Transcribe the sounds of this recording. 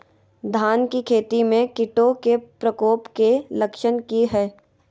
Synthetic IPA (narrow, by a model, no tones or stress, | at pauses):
d̪ʱaːnkikʰeːt̪imẽkɪʈokepɾəkoːpkelɐkʃənkiɦɛː